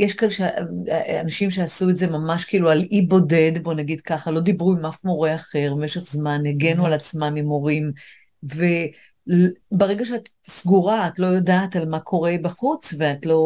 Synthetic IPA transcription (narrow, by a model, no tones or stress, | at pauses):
jeʃkelʃe | anaʃimʃeasuetze̞mamaʃkiilualibo̞de̞dbo̞naɡid̪kaχalo̞d̪ibʁuimafmo̞ʁeaχe̞ʁmeʃe̞χzmanheɡe̞nualat͡smamimo̞ʁim | ve̞ | lbaʁe̞ɡaʃeat̪ | sɡuʁaːtlo̞jodaːtalmakʰo̞ʁe̞baχut͡sveatlo̞